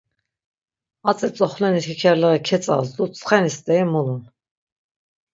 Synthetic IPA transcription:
at͡sʼɛt͡sʼɔχlɛnit̪ʰikʰɛɾlɛʁikʰɛt͡sʼa̰zd̪ut͡sʼχɛnist̪ʼɛimulun

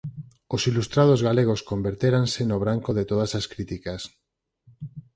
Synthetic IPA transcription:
osilust̪ɾað̞ozɣaleɣ̞oskombeɾt̪eɾansenoβɾaŋkoðet̪oð̞asaskɾit̪ikas

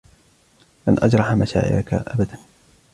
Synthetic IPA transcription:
ʔanʔad͡ʒɾˤɑħamaʃa̰ːʔɪ̰ʔaka̰ʔa̰bad̪an

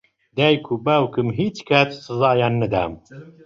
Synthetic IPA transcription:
d̪æjkʰubawkɨmɦiːt͡ʃkʰat̪sɨzɑːjɑːnːɨd̪æ̰ːm

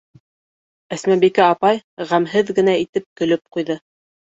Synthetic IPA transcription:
æsmæbikæɑpɑjʁæmɦɘðɡɘ̆næit̪ɘp̚kɵ̆lɵp̚qujðɤ

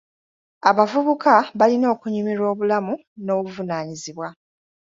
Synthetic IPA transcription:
aβavuβukʰaβalino̞ːkuɲimiɾo̞ːβulamu | no̞ːβuvunaːɲiziβwa

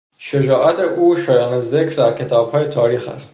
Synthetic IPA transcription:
ʃed͡ʒɒːʔæt̪ʰeʔuːʃɒːjɒːnezekʰɾd̪æɾkʰe̞t̪ʰɒːb̥hɒːjet̪ʰɒːɾiːxæ̰st̪

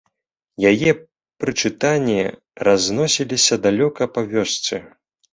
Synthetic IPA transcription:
jajɛ | pɾɨt͡ʂɨt̪anʲːɛ | raznɔsʲilʲisʲɐd̪alʲɔkɐpɐvʲɔst̪sɨ

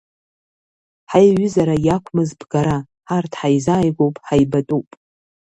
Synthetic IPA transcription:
ħajɥʏzaɾajakʷʰmɨzbɡaɾa | ħartʰħajzaːjɡʷowpʼħajbatʼuwpʼ

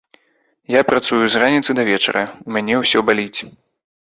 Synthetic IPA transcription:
japɾat̪sujuzranʲit̪sɨd̪ɐvʲɛt͡ʂɐ̰ɾɐumʲanʲɛwsʲɔbalʲit͡sʲ

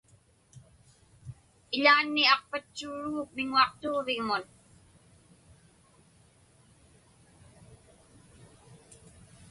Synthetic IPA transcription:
ɪʎaːnːiɑq̚pat͡ʃːuːɻuɣːk̚mɪŋuɑqt̪oːvɪŋmʊn

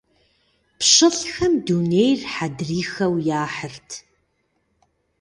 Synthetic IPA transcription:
pɕɪɬxɐmduːnejrħadriːxɐwjaːħərtʰ

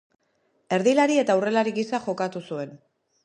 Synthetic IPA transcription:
e̞ɾðilaɾie̞t̪aure̞laɾiɣisaʝo̞kat̪usue̞n

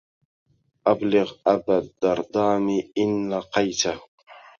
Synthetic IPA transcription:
ʔablɪɣʔabad̪ːɑɾˤd̪ˤɑːmiʔɪnːaqɑjt̪a

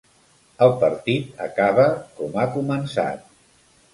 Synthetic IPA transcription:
əlˠpəɾt̪it̪ə̰kaβəkɔmakumənsa̰t̪̚

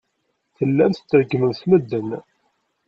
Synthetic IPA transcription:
θəlːæmθt͡s̪ːɾɡməmθməd̪ːən

